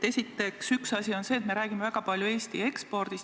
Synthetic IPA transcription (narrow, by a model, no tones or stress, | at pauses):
e̞sʲit̪ːe̞ksyksɑsʲio̞nse̞ːt̪me̞ɾæːɡ̥ime̞væɡ̥ɑpɑljue̞ːst̪ḭe̞kspo̞rd̪̥is